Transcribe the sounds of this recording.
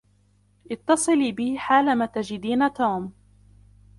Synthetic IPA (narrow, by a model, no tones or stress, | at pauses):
ʔɪt̪ːɑsˤɨliːbɪhħaːlamaːt̪ad͡ʒɪd̪iːnat̪uːm